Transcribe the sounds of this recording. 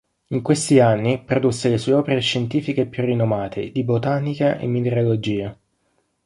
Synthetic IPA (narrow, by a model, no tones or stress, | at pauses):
iŋkwest̪ianːipɾod̪usːelesuːeɔːpeɾeʃːent̪iːfikeːpːjurːinːomaːt̪ʰed̪ibot̪aːnikaʔḛmːineɾolod͡ʒiːa